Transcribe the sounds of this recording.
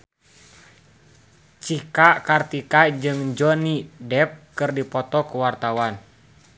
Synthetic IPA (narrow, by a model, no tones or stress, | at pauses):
t͡ʃikakart̪ikad͡ʒɨŋd͡ʒɔnidɛp̚kɨrdipɔt̪ɔkuwart̪awan